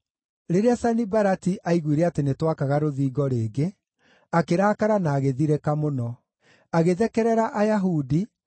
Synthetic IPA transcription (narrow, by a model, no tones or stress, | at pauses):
ɾeɾeasanibaɾatiʔaiɣwiɾɛatenetwakaɣaɾoðiːɡɔɾeːɡe | akeɾaːkaɾanaːɣeðiɾɛkamonɔ | aɣeðɛkɛɾɛɾaʔajaɦudi